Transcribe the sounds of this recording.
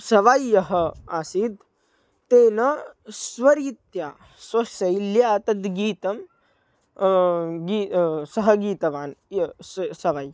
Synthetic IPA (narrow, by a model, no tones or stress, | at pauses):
sɐʋajːɐɦɐaːsid̪ | t̪eːnɐsʋɐɾiːt̪jaː | sɐsɐjljaːt̪ɐd̪ɡiːt̪ɐm | ɡisɐɦɐ̆ɡiːt̪ɐʋaːnjsɐʋaj